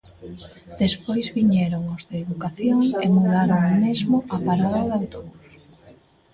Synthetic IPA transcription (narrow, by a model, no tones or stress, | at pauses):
d̪̥espojzβiɲeɾoŋʊzðɪːðukaθjoŋemuðaɾoŋmezmʊapaɾaðaðawt̪oβus